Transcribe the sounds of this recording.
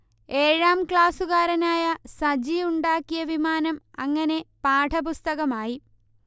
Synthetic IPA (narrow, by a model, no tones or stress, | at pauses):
e̞ːɻaːmkɭaːsuɣaːɾɐnaːjɐsɐd͡ʑijuɳɖaːkːijɐʋimaːnɐmɐŋːɐne̞paːʈʰɐpust̪ɐɣɐmaːji